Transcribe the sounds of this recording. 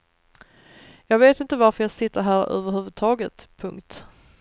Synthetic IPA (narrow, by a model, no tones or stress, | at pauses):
jɑːɡveːt̪ɪnt̪əvaɾfəjɑːɡsɪt̪ːəɾɦæːɾø̰ːvəɾɦʉ̟ːvɵd̪̚t̪ʰɑːɡət̪pʰɵŋkt̪